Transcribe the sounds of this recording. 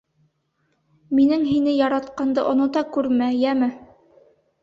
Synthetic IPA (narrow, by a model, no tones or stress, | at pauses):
minɘŋɦinɘjɑɾɑt̪qɑnd̪ɤʔŏnŏt̪ɑkʉɾmæjæmɘ